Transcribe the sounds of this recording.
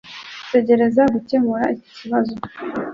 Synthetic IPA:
te̞ɟe̞ɾe̞zaɡuce̞muɾaici̥ciβazo̞

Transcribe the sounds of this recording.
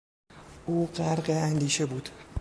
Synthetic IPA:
ʔuːɢæɾɢeænd̪iːʃe̞buːd̪̥

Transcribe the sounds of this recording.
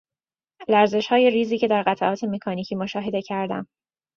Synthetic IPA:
læɾze̞ʃhɒːje̞riːziːcʰe̞d̪æɾɢæt̪ʰæʔɒːt̪ʰe̞me̞kʰɒːniːcʰiːmoʃɒːɦe̞d̪e̞cʰæɾd̪æ̰m

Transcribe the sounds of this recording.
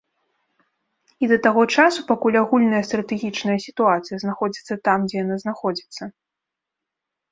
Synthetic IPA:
id̪ɐt̪aɣɔt͡ʂasupakulʲaɣulʲnɐjɐst̪ɾɐt̪ɛɣʲit͡ʂnɐjɐsʲit̪uat̪sɨjɐznaxɔd͡zʲit̪sːɐt̪amd͡zʲɛjanaznaxɔd͡zʲit̪sːɐ

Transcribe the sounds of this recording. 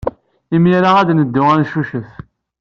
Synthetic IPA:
imjæɾaʁæd̪nəd̪ːʊʁænʃuʃəθ

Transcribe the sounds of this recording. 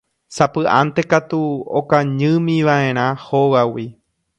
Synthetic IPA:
sapɨʔã̰nt̪e̞kat̪uo̰kaɲɨ̃mĩʋaʔẽ̞ɾ̃ãhoʋawi

